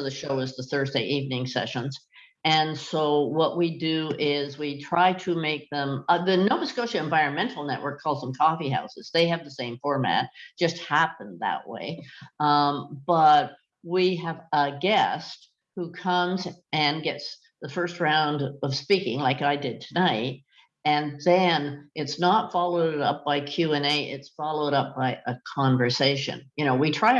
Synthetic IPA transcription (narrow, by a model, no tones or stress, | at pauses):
ðɨʃoʊɨzðəθɜ˞zdeɪʔivnɪ̃ŋsɛ̰ʃə̃nz | ɨ̃nsoʊwʌʔwidɨɪzwitʰɹ̥aɪɾɨmeɪk̚ðə̃mʌðɨnoʊbɨskoʊʃɨɨ̃ɱvaɪɹɨ̃nmɛ̃ntʰˡl̩ˠnɛʔwɜ˞kʰːɔlˠzðə̃m̩kʰɔfiɦa̰ʊsɨz̥ðeɪɨvðəsẽɪ̃ɱfɔɹmæ̰t̚d̥ʒ̥ʌst̚hæpɨ̃nðə̰ʔwḛɪ | b̥ʌt̚ | wiəvəɡɛst̚ | hukʰʌ̃mzɨ̃nɡɛts | ðəfɜ˞st̚ɹãʊ̃ndʌv̥spikɪ̰̃ŋlaɪkaɪdɨd̚tʰɨnaɪt̚ | ɨ̃nðɨ̃nʔɨtsnətfɑlˠoʊɾɨɾʌp̚b̥aɪkʰj̥ʉɛ̃neɪʔɪ̰tsfɑlˠoʊɾʌp̚b̥aɪʔɨkʰɑ̃ɱvə˞seɪʃɨ̰̃njɨñoʊwitʰɹ̥aɪ